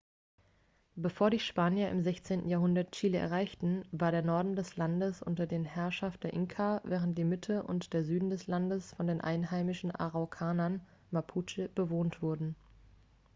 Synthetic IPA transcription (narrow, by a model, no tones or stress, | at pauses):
b̥əfoːɐɾiːʃpaːnjɐʔɪ̰mzɛçt͡seːntn̩jaːɐɦʊndɐtt͡ʃiːləʔɛ̰ɐʁaɪçtn̩vaːɐɾeːɐnɔɐdn̩dɛslandəsʔʊ̰ntɐdeːnhɛɐʃaft̚d̥eːɐʔɪŋkʰavɛːʁ̞ənt̚d̥iːɐmɪtʰəʔʊ̰ntd̥eːɐzyːdn̩dɛslandəsfɔndeːnʔa̰ɪnɦaɪmɪʃn̩ʔa̰ʁaʊkʰaːnɐn | mapʰut͡ʃib̥əvoːntv̥ʊɐdn̩